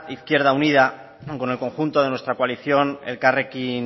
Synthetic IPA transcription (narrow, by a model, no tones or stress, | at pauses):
iθkje̞ɾðauniða | ko̞ne̞lko̞ŋxunt̪o̞ðe̞nwe̞st̪ɾakwaliθjo̞nḛlkarekin